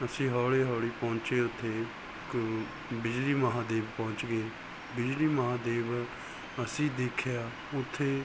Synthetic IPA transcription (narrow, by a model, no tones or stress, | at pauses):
əsĩːɦɔːɽeːɦɔːɽiːpõːɲt͡ʃeːʊt̪ʰːeː | k | bɪd͡ʒliːməɦãːd̪eːbpɔ̃ːɲt͡ʃɡeː | bɪd͡ʒliːməɦãːd̪eːb | əsĩːd̪eːkʰjaː | ʊt̪ʰːeː